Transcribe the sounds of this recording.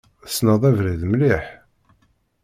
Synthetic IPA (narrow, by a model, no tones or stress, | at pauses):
snəðˤævɾiðmliħ